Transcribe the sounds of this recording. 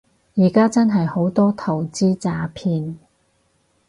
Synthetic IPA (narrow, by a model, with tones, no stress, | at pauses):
jiː˨˩kaː˥t͡sɐ˥nɦɐ˨jho˨˥wt̪ɔː˥t̪ʰɐ˨˩wt͡siː˥t͡saː˧pʰiː˧n